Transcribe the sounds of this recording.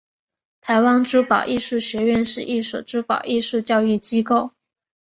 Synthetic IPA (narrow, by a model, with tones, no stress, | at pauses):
t̪ʰa˧˥ɪwa˥nʈ͡ʂu˥pɑ˨˩ʊʔi˥˧ʂu˥˩ɕɥɛ˧˥ɥɛ˥˧nʂɻ̩˥˧ʔi˥˩ʂṵ˨˩ʈ͡ʂɻu˥pɑ˨˩ʊʔi˥˧ʂu˥˧t͡ɕjɑ˥˧ʊy˥˩t͡ɕi˥ko˥˩ʊ